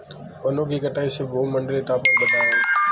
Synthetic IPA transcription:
ʋənõːkiːkəʈaːiːseːbʱoːməɳɖleːt̪aːpəːɓəd̪ʱaːoː

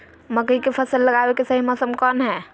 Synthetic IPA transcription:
məkəikepʰəsəlːəɡabekesəɦimɔsəmkɔnɦɛː

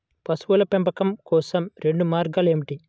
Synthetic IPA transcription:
pɐsuʋulɐpempɐkɐmkɔːsɐmɾe̞ɳɖumaːɾɡaːleːmiʈi

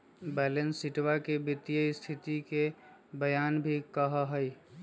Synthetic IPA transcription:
bɛːlə̃nsɪʈwakebɪt̪ijəist̪ʰɪt̪ikebəjaːnbʱikəɦəɦəi

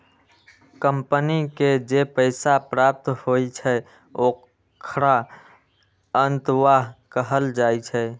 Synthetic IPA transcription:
kəmpəniked͡ʒepəɪsapɾap̚t̪hoit͡ʃʰɛ | o | kʰɾa | ənt̪ʋaɦkəɦəld͡ʒajt͡ʃʰɛ

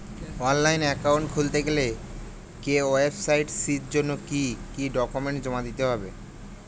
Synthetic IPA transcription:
ɔnlajnɛkawɳʈkʰult̪eɡele | keoebsajʈsit̪d͡ʑonːokikiɖɔkumeɳʈd͡ʑɔmad̪it̪eɦɔbe

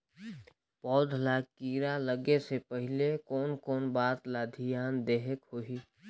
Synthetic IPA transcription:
pɔːd̪ʱlakiːɾaləɡesepəɦɪlekɔːnkɔːnbaːt̪laːd̪ʱijaːnd̪eːɦekhoɦiː

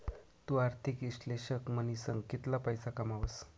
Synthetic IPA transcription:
t̪uaɾt̪ʰikiɕleɕəkmənisəŋɡkit̪lapəjsakamaʋəs

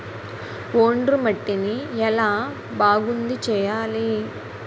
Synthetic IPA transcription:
oːɳɖrɯmɐʈːiniɛlaː | baːɡund̪it͡ʃɛːjaːli

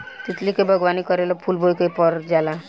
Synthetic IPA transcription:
t̪it̪likebʱəɡʋanikəɾelɔpʰulbʱojkejpɔɾd͡ʒala

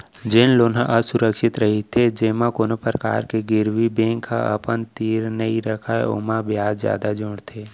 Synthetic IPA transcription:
d͡ʒɪnloːnãʔəsʊɾəkʃɪt̪ɾəɦit̪ʰed͡ʒeːmãkoːnopɾəka̰ːɾkeɡɪɾwibẽːŋkʰːa̰ɐ̰pənt̪iːɾnəiɾəkʰaḛo̰mãbjaːd͡ʒzja̰ːd̪ad͡ʒʊɽt̪ʰeː

